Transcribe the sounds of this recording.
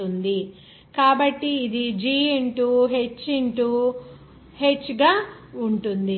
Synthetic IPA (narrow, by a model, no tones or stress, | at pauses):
und̪i | kaːbɐʈːiːd̪id͡ʒiːeɳʈuːɦe̞t͡ʃːeɳʈu | he̞t͡ʃːɡaːuɳʈund̪i